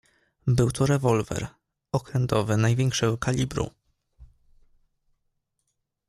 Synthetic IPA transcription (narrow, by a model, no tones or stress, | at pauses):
bɘwt̪ʰɔɾɛvɔlvɛ̰ɾ | ɔkɾɛnt̪ɔvɘnajvʲɛŋkʂɛɡɔkʰalʲibɾṵ